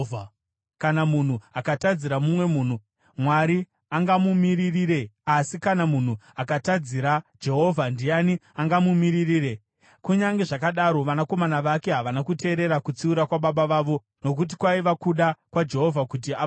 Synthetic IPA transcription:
kanamun̤uakatad͡ziɾamumwe̞muːn̤u | mwaɾi | aŋɡamumiɾiriɾe̞asikanamun̤uakatad͡ziɾad͡ʒe̞ɦo̞vʱandijaniaŋɡamumiɾiriːɾe̞ | kuɲaŋɡe̞ʐakaɗaɾo̞ʋanako̞manaʋake̞ɦaʋanakute̞ːɾe̞ɾakut͡siuɾakwaɓaɓaʋaːʋo̞ | no̞k̬ut̬ikwaiʋakuɗakwad͡ʒe̞ɦo̞vʱakut̬ia

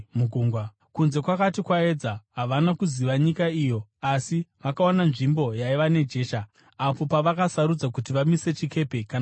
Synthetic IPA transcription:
muɡʱuːŋɡwa | kunze̞kwakatikwae̞d͡zaɦaʋanakuziʋaɲikaijo̞asiʋakaonanʐimbo̞jaiʋane̞d͡ʒe̞ːʃaː | po̞paʋakasaɾud͡zak̬utiʋamise̞t͡ʃike̞pe̞kan

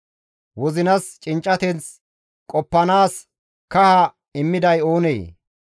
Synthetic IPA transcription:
wɔzɪnɐst͡ʃʼɪnt͡ʃʼːɐt̪ɛnt͡s | kʼɔpːɐnaːs | kɐhɐ | ɪmːɪd̪ɐjo̞ːnḛː

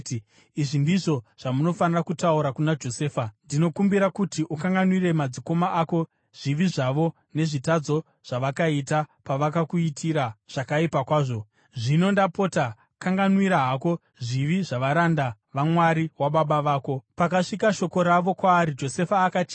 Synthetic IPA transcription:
iʐindiʐo̞ʐ̥amuno̞fanirakutauɾakunad͡ʒo̞se̞ːfandino̞kumbiɾakutiʔukaŋɡanwiɾe̞mad͡ziko̞maʔako̞ | ʐ̥iʋiʐaʋo̞ | ne̞ʐitad͡zo̞ | ʐ̥aʋakaitapaʋakakuitʰiɾaʐ̥akaipakwaːʐo̞ | ʐino̞ndapota | kaŋɡanwiɾaɦako̞ | ʐiʋiʐaʋaɾanda | ʋamwaɾiwaɓaɓaʋaːko̞pakaʂikaʃo̞ko̞ɾaʋo̞kwaːɾid͡ʒo̞se̞faːkat͡ʃː

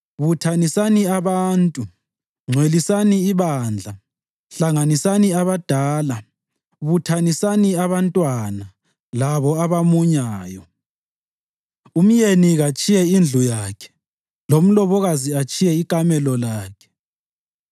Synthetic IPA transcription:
βutʰanisaniaβaːntʼu | ŋ͡ǀʱwelisaniːβand͡ɮʱa | ɬaŋanisaniaβad̥ʱaːla | βutʰanisaniaβantʼwana | laβɔaβamuɲaːjɔ | um̩jeniɣat͡ʃʼijɛind͡ɮʱujakʰɛ̥ | lom̩lɔβɔɣaziat͡ʃʼijɛikʼamɛlɔlaːkʰɛ̥

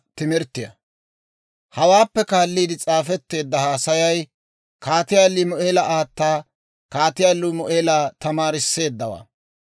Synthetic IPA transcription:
t̪ɪmɪɾt̪ːɪjɐ̰ | hɐwaːpːɛkaːlːiːd̪ɪt͡sʼaːfɛt̪ːe̞ːd̪ːɐhaːsɐjɐj | kaːt̪ɪjaːlːimɔʔeːlɐʔaːt̪ːaː | kaːt̪ɪjaːlːʊmɔʔeːlaːt̪ɐmaːɾɪsːe̞ːd̪ːɐwa̰ː

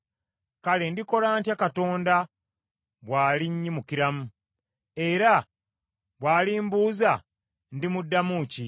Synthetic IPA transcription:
kalendiko̞laːntjakato̞ːnda | βwaːliɲːimukiɾamu | e̞ɾa | βwaːliːmbuːza | ndimudːamuci

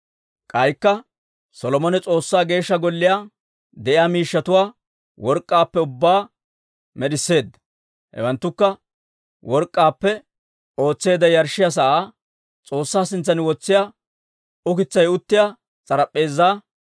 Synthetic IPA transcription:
kʼɐjkːɐ | sɔlɔmɔnɛt͡sʼo̞ːsːaːɡe̞ːʃːɐɡɔlːɪjaː | d̪ɛʔɪjaːmiːʃːɐt̪ʊwaː | wɔɾkʼːaːpːɛʊbːaː | mɛɗɪsːe̞ːd̪ːɐ̥ | hɛ̰wɐnt̪ːʊkːɐ | wɔɾkʼːaːpːɛ | o̞ːt͡sːe̞ːd̪ɐjɐɾʃɪjas̬ɐʔaː | t͡sʼo̞ːsːaːsɪnt͡sːɐnɪwɔt͡sːɪjaː | ʊkɪt͡sːɐjʊt̪ːɪjaː | t͡sʼɐɾɐpʼːe̞ːzːaː

